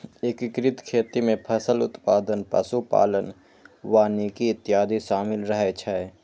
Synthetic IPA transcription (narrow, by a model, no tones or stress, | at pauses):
ɪkɪkɾɪt̪kʰeːt̪imẽpʰɐsəlʊt̪paːd̪ənpɐ̰supa̰ːlən | ʋaːniːkiɪt̪ːɪjaːd̪ʱiʃaːmɪlɾəɦet͡ʃʰɛ